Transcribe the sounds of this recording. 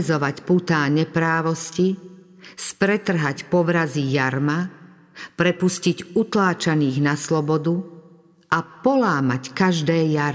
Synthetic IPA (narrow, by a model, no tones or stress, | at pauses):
zɔʋacput̪aːɲɛpɾaːʋɔsci | spɾɛt̪r̩ɦacpɔʋɾazijaɾma | pɾɛpusciɟut̪laːt͡ʃaniːɣnaslɔbɔd̪u | ʔapɔlaːmackaʒd̪ɛːjaɾ